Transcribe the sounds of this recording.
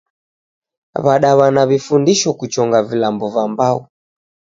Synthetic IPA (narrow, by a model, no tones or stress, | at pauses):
βaɗaβanaβifundiʃɔkut͡ʃɔŋɡavilambɔvambaɔ